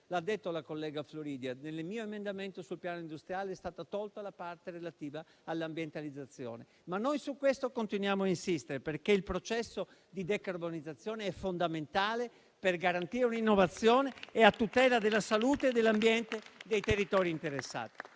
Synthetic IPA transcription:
lad̪ːet̪ːolakolːɛːɡafloɾiːd̪janelːemiːoemend̪ament̪osulpjaːnoind̪ust̪ɾjaːleɛst̪aːt̪at̪ɔlt̪alapart̪erelat̪iːvaː | lːambjent̪alid̪zːat̪sːjɔ̰ːne | manːojsukːwest̪okont̪inwjaːmoainsist̪eɾeperkeilpɾot͡ʃɛsːo | d̪id̪ekarbonid̪zːat̪sːjɔːneɛfːond̪ament̪aːle | perɡaɾant̪iːɾeuninːovat̪sːjɔːneːat̪ːut̪ɛːlad̪elːasaluːt̪eːd̪ːelːambjɛnt̪ed̪ejt̪erːit̪ɔːɾint̪eɾesːa̰ːt̪i̥

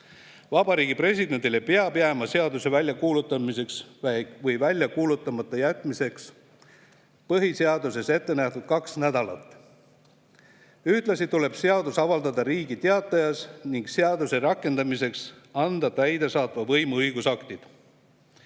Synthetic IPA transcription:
vɑbɑɾiːɡ̥ipre̞s̬ʲid̪̥e̞nt̪ilepeɑb̥jæmɑseɑd̪use̞vælʲjɑkuːlut̪ːˑɑmise̞ksvɤjvælʲjɑkuːlut̪ːˑɑmɑt̪ːˑɑjæt̪ːˑmise̞ks | pɤɦiseɑd̪us̬e̞se̞t̪ːe̞næht̪ud̪̥̚kɑksnæd̪ɑlɑ̰t̪ːˑ | yht̪lɑsit̪ule̞b̥seɑd̪̥usɑvɑld̪ɑd̪ɑɾiːɡit̪eɑt̪ːˑɑjɑsniŋkseɑd̪̥use̞ɾɑkːˑe̞nd̪̥ɑmise̞ksɑnd̪̥ɑt̪æjd̪e̞sɑːt̪ˑvɑvɤjmuɤjɡ̥usɑkt̪id̪̥

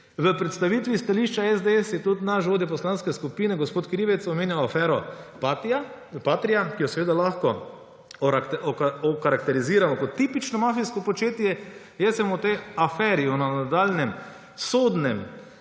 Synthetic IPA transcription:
ʋəpɾɛt̪st̪aʋit̪ʋist̪aliʃt͡ʃaɛzd̪eɛsjɛt̪ut̪naʃʋoːd̪jɛp̬ɔslanskɛskupiːnɛɡɔspoːt̪kɾiʋɛt̪sɔmeːnjawafɛːɾɔpat̪a | paːt̪ɾijakijɔsɛʋeːd̪alaxkɔ | ɔkaɾakt̪ɛɾiziːɾamɔkɔt̪ːipit͡ʃnɔmafiskɔpɔt͡ʃeːt̪jɛ | jɛsɛmɔt̪eafɛɾiɔnanad̪aːlnɛm | sod̪nɛm

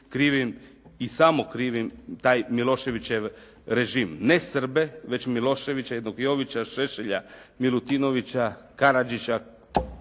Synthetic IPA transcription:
kɾiːʋim | isamo̞kɾiʋimt̪aːjmilˠo̞ʃe̞ʋit͡ɕeʋ | ɾe̞ʒimnesr̩be̞ʋe̞t͡ɕmilo̞ʃe̞ʋit͡ɕajed̪nokjo̞ʋit͡ɕaʃeʃeʎa̰milˠut̪ino̞ʋit͡ɕakaɾad͡ʒit͡ɕa

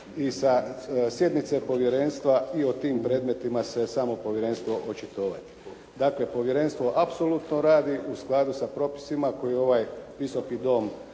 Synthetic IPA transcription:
isasje̞d̪nit̪se̞po̞ʋje̞ɾe̞nst̪ʋaiot̪iːmpɾe̞d̪me̞t̪imase̞saːmo̞po̞ʋje̞ɾe̞nst̪ʋo̞ʔot͡ʃit̪o̞ːʋa̰t̪i̥ | d̪aːkle̞po̞ʋje̞ɾe̞nst̪ʋo̞ʔapso̞lut̪noɾaːd̪iʔusklˠaːd̪usapɾo̞pi̥simako̞jio̞ʋajʋisokid̪o̞m

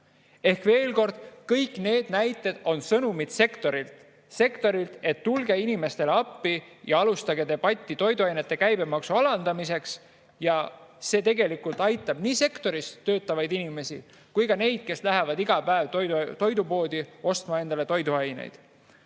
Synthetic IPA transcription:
e̞hkve̞ːlko̞rd̪̥kɤjkne̞ːd̪̥næjt̪ːˑe̞d̪̥o̞nsɤnumid̪̥se̞kt̪o̞ɾilt̪ | se̞kt̪o̞ɾilt̪e̞t̪ːulɡe̞inime̞st̪e̞leɑpːijɑɑlust̪ɑɡe̞d̪e̞b̥ɑt̪ʲːˑit̪o̞jd̪uɑjne̞t̪ːˑe̞kæjbe̞mɑksuɑlɑnd̪̥ɑmise̞ks | jɑse̞ːt̪e̞ɡe̞likult̪ˑɑjt̪ːˑɑb̥niːse̞kt̪o̞ɾisø̞ːt̪ːˑɑvɑjd̪̥inime̞si | kujkɑne̞jd̪̥̚ke̞slæɦe̞vɑd̪iɡ̥ɑpæevt̪ot̪o̞jd̪upo̞ːd̪̥io̞st̪mɑe̞nd̪̥ɑle̞t̪o̞jd̪uɑjnḛjd̪̥

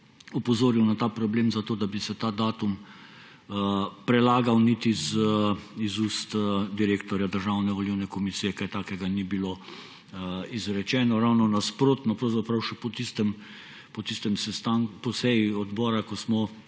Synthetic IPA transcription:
upɔzoːɾiwnat̪aːpɾɔbleːmzat̪oːd̪abisɛt̪aːd̪aːt̪um | pɾɛlaːɡawnit̪iz | izust̪d̪iɾeːkt̪ɔɾjad̪əɾʒawnɛʋɔliwnɛkɔmisiːjɛkajt̪aːkɛɡanibilo | izɾɛt͡ʃɛːnɔɾawnɔnaspɾoːt̪nɔpɾɐwzapɾawʃɛpɔt̪ist̪ɛm | pɔt̪ist̪ɛmsɛst̪aŋkpɔsɛjiɔd̪bɔːɾakɔsmɔ

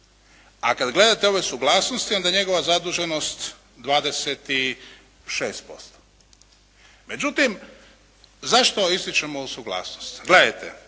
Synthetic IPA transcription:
akad̪ɡle̞d̪at̪eo̞ʋesuɡlaːsnost̪io̞nd̪ajɲe̞ɡo̞ʋazad̪uːʒeno̞st̪ | d̪ʋaːd̪e̞set̪i | ʃeːst̪̚po̞̰st̪o̥ | me̞d͡ʑut̪im | zaʃt̪o̞ist̪it͡ʃemousuɡlˠa̰ːsnost̪ɡle̞d̪ajt̪ḛ

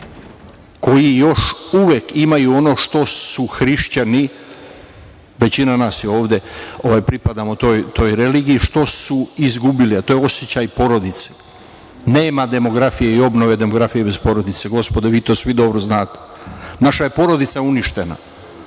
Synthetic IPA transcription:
ko̞jijo̞ʃuʋjekimajuo̞no̞ːʃt̪o̞ssuxɾiʃt͡ɕani | ʋe̞t͡ɕinanaːsjeo̞ːʋd̪e̞o̞ʋajpɾipad̪amo̞t̪o̞ːjt̪o̞ːjɾe̞liːɡiiʃt̪o̞suizɡubiliat̪o̞ːjeo̞sjet͡ɕajpo̞ɾo̞d̪it̪se̥ | neːmad̪e̞mo̞ɡɾafijeio̞bno̞ʋe̞d̪e̞moɡɾafijebe̞spo̞ɾo̞d̪it̪seɡo̞spod̪eʋiːt̪o̞ːsʋid̪o̞bɾoznaːt̪e̥ | naʃajepo̞ɾo̞d̪it̪sauniʃt̪e̞na̰

